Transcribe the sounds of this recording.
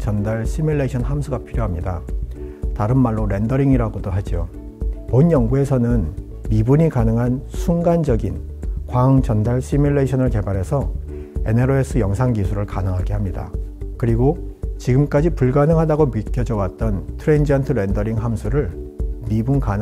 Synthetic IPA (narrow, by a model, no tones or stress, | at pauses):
t͡ɕʌndaɭɕ͈imiɭːeɕʰʌnhamsʰuɡapʰiɾjoɦamɲida | taɾɯnmaɭːoɾe̞ndʌɾiŋiɾaɡodoɦad͡ʑio | monjʌŋɡue̞sʰʌnɯn | mibuɲikanɯŋɦansʰuŋɡand͡ʑʌɡin | kwaɯŋt͡ɕʌndaɭɕ͈imuɭːeɕʰʌnɯɭke̞baɾe̞sʰʌ | e̞̰neɾoes͈ʰɯjʌŋsʰaŋɡisʰuɾɯɭkanɯŋɦaɡehamɲida̰kɯɾiɡot͡ɕiɡɯmk͈ad͡ʑipuɭɡanɯŋɦadaɡomɥik͈jʌd͡ʑʌwat̚t͈ʌntʰɯɾeind͡ʑantʰɯɾe̞ndʌɾiŋɦamsʰuɾɯɭmibunkan